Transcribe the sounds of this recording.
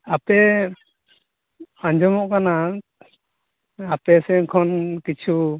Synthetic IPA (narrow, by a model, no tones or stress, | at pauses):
apɛ | aɲd͡ʒɔmɔʔkana | apɛsɛŋkʰɔnkit͡ʃʰu